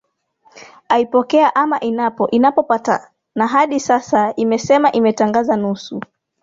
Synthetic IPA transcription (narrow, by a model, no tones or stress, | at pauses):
aipɔkɛaʔamaʔinapɔʔinapɔpata | naɦaɗisasaimɛsɛmaʔimɛtaŋɡazanusu